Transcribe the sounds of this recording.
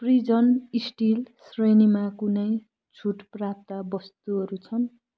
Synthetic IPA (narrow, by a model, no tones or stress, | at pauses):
prid͡zʌnisʈilsrʌjnimakunʌj | t͡sʰuʈprap̚t̪abʌst̪uɦʌɾut͡sʰʌn